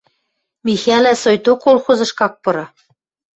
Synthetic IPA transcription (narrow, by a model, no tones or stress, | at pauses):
mʲixælæsojt̪okːolˠxuzɤ̆ʃkɑk̚pɤ̆ɾɤ̆